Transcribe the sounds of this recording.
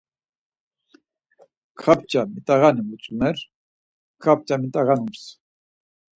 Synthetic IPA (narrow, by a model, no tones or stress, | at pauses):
kʰap̚t͡ʃʼamit̪ʼaɣanimut͡sʼumɛɾ | kʰap̚t͡ʃamit̪ʼaɣanums